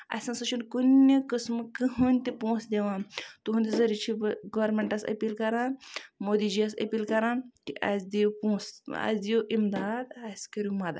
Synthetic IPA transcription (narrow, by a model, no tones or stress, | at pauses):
ɐ̰sɐ̃nsɐt͡ʃʰunkunːekəsmɨkɨɦɨnʲt̪ipõːsd̪eʋãt̪uɦund̪ʲizɐɾit͡ʃʰiɡɐʋɐɾmeɳʈɐsɐ̰piːlkɐɾãːnmoːd̪id͡ʒijɐsɐ̰piːlkɐɾãːnt̪iʔa̰sd̪ipõsa̰sd̪ioʔimd̪aːd̪asʲkɐɾʲumɐd̪a̰